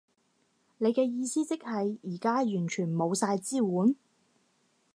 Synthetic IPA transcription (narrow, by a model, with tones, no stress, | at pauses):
ne˨˧jkɛː˧jiː˧siː˥t͡sɪ˥k̚hɐ˨jiː˨˩kaː˥jyː˨˩nt͡ʃʰyː˨˩nmo˨˧wsaː˧jt͡siː˥wuː˨˥n